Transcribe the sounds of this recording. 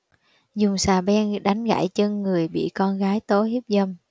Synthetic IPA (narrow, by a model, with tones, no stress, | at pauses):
zʊ˨˩ŋ͡msaː˨˩ɓɛ˧nɗa˨˦jŋ̟ɣa̰ː˧˨jt͡ɕə˧ŋːɨ˨˩əjɓḭ˧˨kɔ˧nɣaː˨˦jt̪o˨˦hi˦˥p̚zə˧m